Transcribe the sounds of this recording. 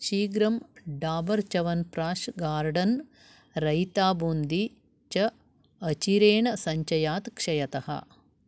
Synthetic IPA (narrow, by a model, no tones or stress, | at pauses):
ʃiːɡɾɐmɖaːbɐɾt͡ʃɐʋɐnpɾaːʃɡaːɾɖɐn | ɾɐjt̪aːbuːnd̪i | t͡ʃɐ | ɐt͡ʃiɾeːɳɐsɐɲt͡ʃɐjaːt̪kʂɐjɐt̪ɐhɐ̰